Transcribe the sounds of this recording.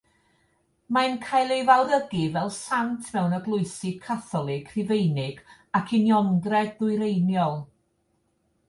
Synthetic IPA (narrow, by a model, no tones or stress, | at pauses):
mankʰajlˠejvawðəɡivɛlˠsantʰmɛwnəɡlˠʊɨsɪkʰaθɔlˠɪkʰrɪvejnɪɡ | akʰɪnjɔŋɡrɛdðʊɨɾejnjɔlˠ